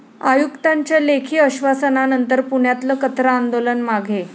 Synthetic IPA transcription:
ajukt̪aɲt͡ɕjalekʰiːəɕʋasənanənt̪əɾpuɳjat̪ləkət̪ɾaːnd̪olənmaɡʱe

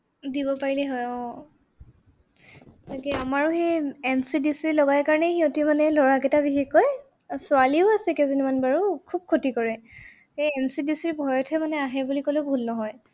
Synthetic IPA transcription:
dibɔpaɹilɛɦɔjɔ̃ | takɛamaɹuxejensidisilɔɡajkaɹɔnɛxiɔ̃timanɛlɔɹakɛtabixekːɔj | sʊaliʊasɛkɛzinimanbaɹukʰub̚kʰotikɔɹɛ | hejɛnsidisiɹbʱɔjɔtʰɛmanɛaɦɛbulikolebʱulnɔɦɔj

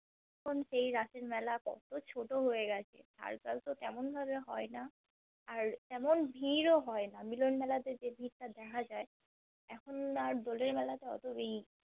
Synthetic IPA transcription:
ɛkʰonʃejɾaseɹmɛlakɔ̰t̪ot͡ɕʰoʈoɦoeɡat͡ɕʰḛt̪a̰ɹkalt̪ot̪ɛmonbʱaβeɦɔjnaː | ɹt̪ɛmonbʱiɾoɦɔenamilonmɛlad̪ed͡ʑebʱitad̪ɛkʰad͡ʑae | ɛkʰonaɹd̪ɔleɹmɛlat̪eɔ̰t̪obei

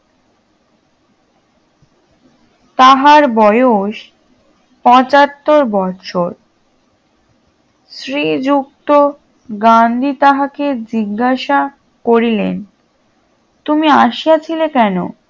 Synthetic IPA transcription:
t̪aɦaɾbɔeoʃ | pɔ̃t͡ɕat̪ːoɾbɔtt͡ɕʰoɾ | sɾid͡ʑuk̚t̪o | ɡand̪ʱit̪aɦaked͡ʑiɡːaʃa | koɾilḛn | t̪umiaʃijat͡ɕʰilekɛno̰

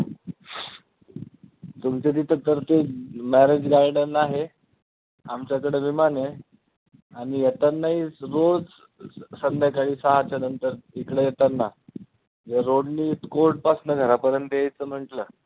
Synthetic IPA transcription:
t̪umt͡ɕet̪iːt̪ət̪əɾt̪emæɾed͡zɡajɖənaɦe | a̰mt͡ɕjakəɽeʋimane | aɽ̃ijet̪ənːait͡sɾod͡z | sənd̪jakaɽiːsaɦat͡ɕanənt̪əɾikɽejet̪ənːa | d͡zəɾoɽniːt̪koɾʈ̚pasnəɡʱəɾapəɾənt̪əjejt͡səm̤əɳʈləː

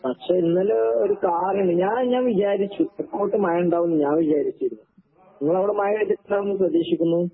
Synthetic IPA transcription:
pɐʈʂeːinːɐloɾukaːrjuɳɖɨɲaːnɲaːnʋid͡ʑaːɾit͡ɕːuepːoːʈːɨmaːjɐuɳɖaːʋunːɨɲaːnʋid͡ʑaːɾit͡ɕːijɾunːu | niŋːɐɭɐʋiɽɐmaːjɐet̪ːiaːʋunːɨprɐd̪eːʂikʲːunːu

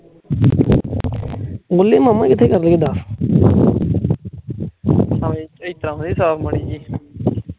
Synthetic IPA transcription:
ɡʊleːmamãːkɪt̪ʰeːkəɾləɡeːd̪aːs | saʋẽːt͡ʃəiːt̪ɾãːõd̪iːsaːbməɽiːd͡ʒiː

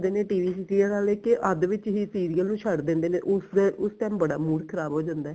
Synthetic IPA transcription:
d̪eːneːʈiːʋiːsikɾiːəɾaːleːkeʔəd̪ʋɪt͡ʃɦiːsiːɾiːəlnũːt͡ʃʰəɽd̪ẽːnd̪eːnḛːʔʊsd̪ʔʊst̪ɛ̃ːmbəɽa̰ːmuːɽkʰəɾaːbɦoːd͡ʒãːnd̪aɛː

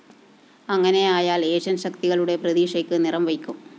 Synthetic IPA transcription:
ɐŋːɐne̞jaːjaːleːɕɐnɕɐkt̪iɣɐɭuɽe̞prɐðiːʂejkːɨnirɐmʋɐjkʲːum

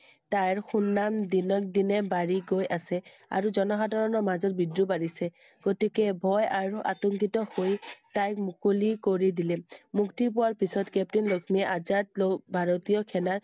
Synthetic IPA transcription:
tajɹxunːamdinɔk̚dinɛbaɹiɡojʔasɛ | a̰ɹuzɔnɔɦadʱaɹɔnɔɹmazɔt̚bidɹubaɹisɛ | ɡ̥otikɛbʱɔjaɹuʔa̰tɔŋkitɔhojtajkmukolikoɹidilɛmuktip̬ʊwaɹpisɔtkɛp̚tinlokʰmiɛʔazat̚lɔbʱaɹotijɔkʰɛnaɹ

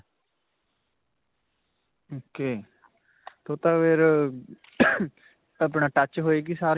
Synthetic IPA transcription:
oːkeː | t̪oːt̪ãːʋeːɾ | əpɳaːʈət͡ʃɦoːeːɡisaːɾ

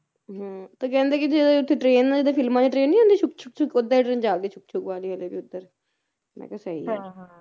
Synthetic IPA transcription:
ɦãːt̪oːkɛ̃ːnd̪eːkɪd͡ʒed̪eʊt̪ʰːeːʈɾeːnad͡ʒeːd̪eːfʰɪlmãːd͡ʒiːʈɾeːnːĩːɦõnd̪iːt͡ʃʰʊk̚t͡ʃʰʊk̚t͡ʃʰʊkod̪ːəʈɾẽːnd͡ʒaːkd̪eːt͡ʃʰʊk̚t͡ʃʰʊkʋaːliːəleːbiːʊd̪ːəɾ | mɛ̰ːkəsəḭː

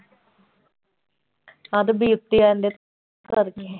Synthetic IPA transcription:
ɐðɨbiːut̪ːijaːɐndet̪ | t̪ːɨɐriɲːu

